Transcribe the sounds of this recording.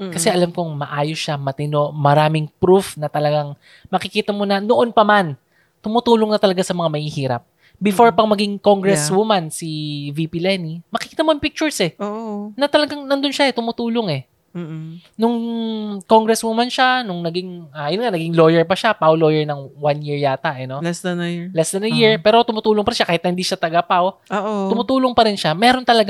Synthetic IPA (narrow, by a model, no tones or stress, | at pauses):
kɐsɛʔɐlamkoŋmɐʔaːjosʃamɐt̪ɪno̞ʔmɐɾaːmɪŋpɾufnɐt̪ɐlɐɡaŋ | mɐkɪkiːt̪ɐmo̞nɐnoʔo̞npɐman | t̪ʊmʊt̪uːloŋnɐt̪ɐlɐɡasɐmɐŋamɐhihiːɾɐ̰p̚ | bɪfo̞ɹpɐŋmɐɡiŋko̞ŋɡɾɛswʊmansivipilɛnimɐkɪkiːt̪ɐmoɐŋpik̚t͡ʃʊɹsɛoonɐt̪ɐlɐɡaŋnɐnd̪onʃaʔɛt̪ʊmʊt̪uːlo̞ŋɛ | nʊŋko̞ŋɡɾɛswumanʃanʊŋnɐɡɪŋaɐjʊnŋanɐɡiŋlo̞jɛɹpɐʃapawlo̞ːjɛɹnɐŋwanjiɹjaːt̪aʔɛno̞lɛsd̪njlɛsd̪ɐnɐjiɹpɛːɾo̞t̪ʊmʊt̪uːloŋpɐɾɪnʃakaːhɪt̪nɐhɪnd̪iːʃat̪ɐɡapawoʔt̪ʊmʊt̪uːlo̞ŋpɐɾɪnʃamɛːɾo̞nt̪ɐlɐɡ